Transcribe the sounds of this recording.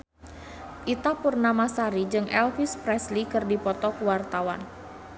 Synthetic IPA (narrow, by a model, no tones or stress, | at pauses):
ʔit̪apurnamasaɾid͡ʒɨŋʔɛlfispɾɛslikɨrdipɔt̪ɔkuwart̪awan